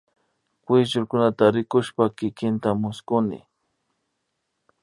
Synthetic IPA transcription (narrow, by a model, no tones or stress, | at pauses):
kwɪsʒʊɾkʊnat̪aɾɪkʊʃpakɪkɪnt̪amʊskʊnɪ̰